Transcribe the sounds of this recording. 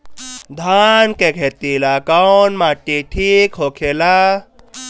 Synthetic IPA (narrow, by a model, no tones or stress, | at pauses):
d̪ʱankekʰet̪ilakanmaʈːiʈʰikɦokʰela